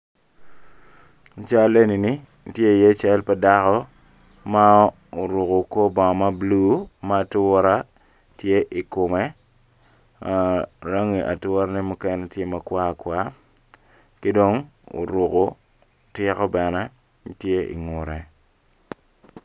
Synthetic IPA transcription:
t͡ʃa˦le˦ni˨ni˦ | tje˦˨je˦t͡ʃɛ˦lpa˦da˦kɔ˦ | ma˦ | o˨ɾu˨ko˨ko˦bɔ˨ma˦blu˦ma˦˨tʊ˦ɾa˦ | tje˦ʔi˨kʊ˨mɛ˦˨ | ɾa˦ŋi˨ʔa˨twɾa˦nɛ˦mu˦kɛ˦ne˦tje˦ma˨kwa˦˨kwa˦ | kɪ˦do˦ŋo̰˨ɾu˨ko˨˦ | tɪ˦kɔ˦bɛ˨nɛ˦ | tje˦ʔḭ˨ŋʊ˨ɾɛ˨

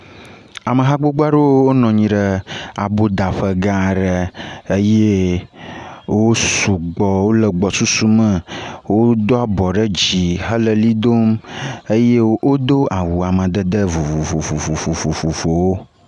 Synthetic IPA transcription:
a˨mə̃˨ɦa˦ɡ͡bo˦ɡ͡ba˦ɖo˦wo˦wo˦nɔ̃˨ɲĩ˨ɖə˦a̰˨bo˦d̪a˨ɸə˦ɡa˦˨ɖə˦e˦je˦ | wo˦su˨ɡ͡bɔ˨wo˦lə˨ɡ͡bɔ˨su˦su˦mə̃˦˨wo˦d̪o˦a˦bɔ˨ɖə˦d͡ʑi˨ɦə˦lə˨li˦d̪o˦mə˦je˦wo˦d̪o˦a˨wu˨a˨mə̃˨d̪ə˦d̪ə˦vo˨vo˨vo˨vo˨vo˨vo˨vo˨vo˨vo˨wo˦

